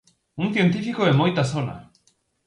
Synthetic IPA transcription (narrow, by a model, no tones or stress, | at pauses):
unθje̞nt̪ifikoe̞mojt̪asona̰